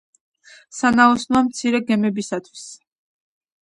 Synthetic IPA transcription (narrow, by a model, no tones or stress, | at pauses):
sanaɔsnwamt̪sʰiɾɛɡɛmɛbisat̪ʰwis